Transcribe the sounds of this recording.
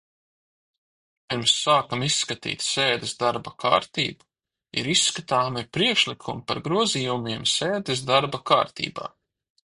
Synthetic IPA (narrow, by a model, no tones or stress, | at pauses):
piɾmsːaːkamisːkat̪ḭːt̪ʲseːd̪ɛsd̪aɾbakʰa̰ːɾt̪ḭːbu̥ | ḭɾisːkat̪aːmipɾiɛkʃlˠikʰumpa̰ɾɡɾuɔziːumiɛmseːd̪ɛs̬d̪aɾbaka̰ːɾt̪ḭːba̰ː